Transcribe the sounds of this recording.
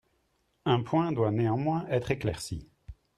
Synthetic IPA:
ɛ̃pwɛ̃d̪waneɑ̃mwɛ̃ʔɛt̪χeklɛ̰ʁsḭ

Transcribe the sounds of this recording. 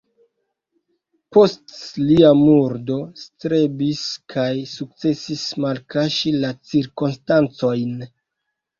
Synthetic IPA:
po̞stliamuɾdo̞stɾe̞biskʰajsuk̚t͡se̞sismalkaʃilat͡siɾkonstant͡so̞jn

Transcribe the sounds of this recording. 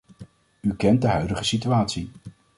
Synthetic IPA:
ykɛnt̚dəɦœɥdəχəsityaːtsi

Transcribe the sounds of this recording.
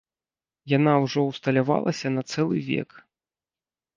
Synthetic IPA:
jan̪awʐɔwst̪ɐlʲava̰lˠɐsʲɐnɐt̪sɛlˠɨ̰vʲɛ̰k

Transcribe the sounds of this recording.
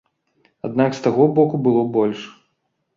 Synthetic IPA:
a̰d̪nakst̪aɣɔbɔkubɨlˠɔbɔlʲʂ

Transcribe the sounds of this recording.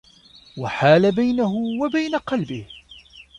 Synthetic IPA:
waħaːlabajnaɦʊwabajnaqɑlbɪh

